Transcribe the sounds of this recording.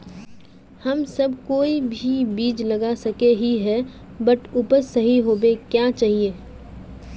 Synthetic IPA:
hɐmsɐbkoːibʱibiːd͡ʒlɐɡasɐkeɦiɦɛ | bəʈʊpəɾsɐɦiɦoːbekjat͡ʃaːɦieː

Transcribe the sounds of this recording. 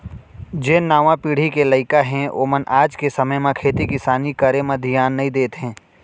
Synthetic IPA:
d͡ʒeːnaːʋãpiːɽ̤ikeləɪkaɦɛ̃ʔo̰ːmənʔaːd͡ʒkesəməjmãkʰeːt̪ikɪsaːnikəɾemɐ̃d̪ʱɪjaːnːɐĩd̪eːt̪ɦɛ̃ː

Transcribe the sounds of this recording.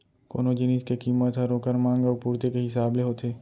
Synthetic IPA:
ko̰ːnod͡ʒɪniskekiːmət̪ɦɛɾoːkəɾnmãːŋɡoːpuːɾt̪ekeɦɪsaːbleɦoːt̪ʰeː

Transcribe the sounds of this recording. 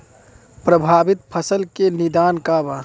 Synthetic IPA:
pɾəbʱaːbit̪̚pʰəsəlkenid̪aːnkaba

